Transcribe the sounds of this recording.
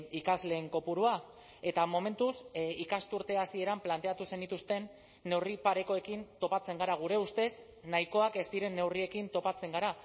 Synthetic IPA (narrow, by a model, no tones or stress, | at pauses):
ikazle̞ːŋko̞puɾua | e̞t̪amo̞me̞nt̪usikast̪uɾt̪e̞asie̞ɾamplant̪e̞at̪use̞nit̪ust̪e̞nː | e̞wripaɾe̞ko̞e̞kint̪o̞pat͡se̞ŋɡaɾaɣ̞uɾe̞ust̪e̞s | naiko̞ake̞st̪iɾe̞nːe̞wrie̞kint̪o̞pat͡se̞ŋɡaɾa